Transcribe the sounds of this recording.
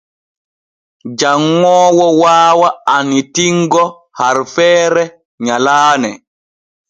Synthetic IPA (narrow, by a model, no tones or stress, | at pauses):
d͡ʒaŋːɔːwɔwaːwaanitiŋɡɔ | haɾfɛːɾɛ | ɲalaːnɛ